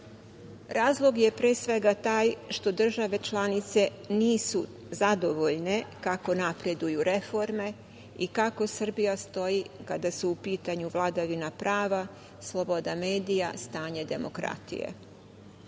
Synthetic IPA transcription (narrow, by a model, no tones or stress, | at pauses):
ɾaːzlˠo̞ɡje̞pɾeːsʋe̞ɡat̪aːjʃt̪o̞d̪r̩ʒaʋe̞t͡ʃlˠanit̪se̞ | niːsu | zad̪o̞ʋo̞ʎne̞kako̞napɾe̞d̪ujuɾe̞fo̞ɾme̞ | ikako̞sr̩bijast̪o̞jikad̪asuupiːt̪aɲuʋlˠad̪aʋinapɾaːʋa | slˠo̞bo̞d̪ame̞ːd̪ija̰st̪aːɲed̪e̞mo̞kɾa̰t̪ḭjḛ